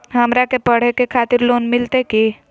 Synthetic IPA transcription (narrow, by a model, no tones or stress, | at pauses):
ɦəmɾakepəɽ̤ɛkekʰat̪iɾlonmɪlt̪eki